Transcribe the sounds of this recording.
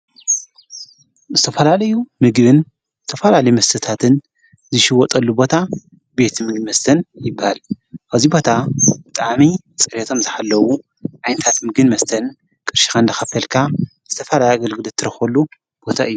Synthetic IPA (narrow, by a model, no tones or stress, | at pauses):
zɨt̪ʰɐfɐlalɐjumɨɡbɨn | zɨt̪ʰɐfɐlalɐjumɐst̪ʰɨt̪ʰat̪ʰɨn | zɨʃɪwɔt̪ʼɐlːubo̞t̪ʰa | be̞t̪mɨɡnmɐst̪ʰɐnjɪbːahal | ʔɐzibo̞t̪ʰabɨt̪ʼaʕmi | t͡sʼɨɾet̪ʰo̞mzɨħalːɐwu | ʕajnɐt̪ʰat̪mɨɡɨnmɐst̪ʰɐn | kʼɨɾʃi̥xand̪ɐxɐfɐlkʰa | z̥ɨt̪ʰɐfɐlajaɡɐlɡɨlɐt̪ʰːɨɾɐxɐlːu | b̥o̞t̪ʰaɨjːu